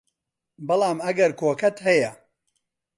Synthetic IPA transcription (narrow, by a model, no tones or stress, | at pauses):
bɨlˠaːmɐɡɐɾkoːkɐt̪hɐjɐ